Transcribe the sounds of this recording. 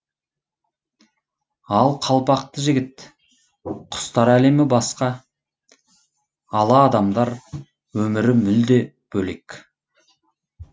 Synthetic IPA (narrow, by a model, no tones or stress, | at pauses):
ɑlˠqʰɑlˠpɑq̚t̪əʒɪɡʲɪt̪ | qʰʊ̥st̪ɑɾæle̞mɪbɑsqɑ | ɑlˠɑːd̪ɑmd̪ɑɾ | wɵmɪɾɪmɪld̪e̞ | b̥ɵle̞k